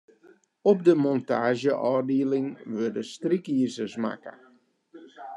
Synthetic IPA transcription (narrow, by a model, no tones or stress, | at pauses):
ɔp̚dəmɔntaːʒjəʔɔːdiəlɪŋʋørdəstrikiːsəsma̰kə̰